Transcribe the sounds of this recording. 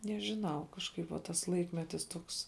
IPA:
nʲɛʒʲɪˈnɐʊ kɐʃˈkɐɪp ʋɐ ˈtɐs ˈlˠɐɪkmʲɛtʲɪs ˈtuɔks

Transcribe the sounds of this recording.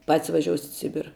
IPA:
pɐtʲsʲ ʋɐˈʒʲoːsʲɪtʲ ɪ ˈsʲɪbʲɪrɐ

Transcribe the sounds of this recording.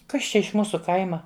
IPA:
ˈkɐs t͡ʃʲɛ ɪʃ ˈmuːsʊ ˈkɐɪmɐ

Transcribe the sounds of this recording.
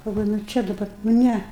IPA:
ɡɐlˠˈʋoːjʊ nʊ ˈt͡ʃʲɛ dɐbɐ nʊ ˈnʲæ

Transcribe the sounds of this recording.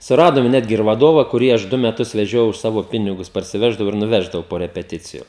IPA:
sʊˈrɑːdoːm ˈnʲæːdʲɡʲɪ ɪr ʋɐˈdoːʋɐ kʊˈrʲiː ˈɐʃ ˈdʊ mʲɛˈtʊs ʋʲɛˈʒʲoːjɛʊ ʊʃ ˈsɑːʋoː ˈpʲɪnʲɪɡʊs pɐrʲsʲɪˈʋʲæːʒdɐʋɐʊ ɪr nʊˈʋʲæːʒdɐʋɐʊ poː rʲɛpʲɛˈtʲɪt͡sʲɪjʊ

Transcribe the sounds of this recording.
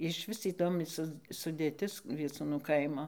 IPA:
ɪʃʲˈʋʲɪs iːˈdoːmʲɪ ˈsʊ sʊdʲeːˈtʲɪs ʋʲiɛˈt͡suːnʊ ˈkɐɪmoː

